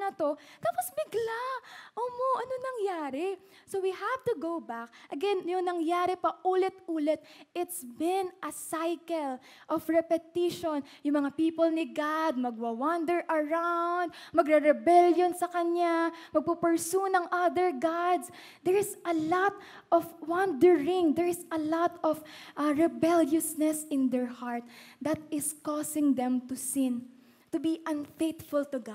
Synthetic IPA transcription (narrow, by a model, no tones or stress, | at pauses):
nɐt̪ot̪aːposbɪɡlaʔoːmoʔɐnonɐŋjaːɾɛ | sowihavt̪ʊɡowbak̚ʔɐɡɛnjʊŋnɐŋjaːɾɛpɐʔuːlɛt̪ʔuːlɛt̪̚ʔɪt̪sbɪnʔɐsajkɛl | ʔɔfɹɛpɛt̪iʃon | jʊŋmɐŋapiːpolnɪɡad̪̚mɐɡ̚wɐwand̪ɛɹʔɐɹawnd̪̚mɐɡɾɛɾɛbɛljonsɐkɐɲamɐɡ̚pupɛɹsunɐŋʔad̪ɛɹɡad̪s | d̪ɛɹɪsɐlɔt̪ | ʔɔfwãnd̪ɛɹɪ̃ŋd̪ɛɹɪsɐlɔt̪ɔfʔɹɛbɛljʊsnɛsɪ̃nd̪ɛɹhaɹt̪̚d̪ɐt̪ɪskɔsɪ̃ŋd̪ɛ̃mt̪ʊsɪ̃n | t̪ʊbiʔɐ̃nfejt̪fʊlt̪ʊɡad̪̚